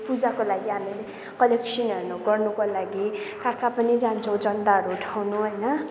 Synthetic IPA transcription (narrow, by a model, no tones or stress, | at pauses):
pud͡zakolaɡiɦamile | kʌleksʌnʌrnuɡʌrnukolaɡikakapʌnid͡zant͡sʰʌ̃w̃d͡zʌnt̪aʌɾuːʈʰawnuɦʌjnʌ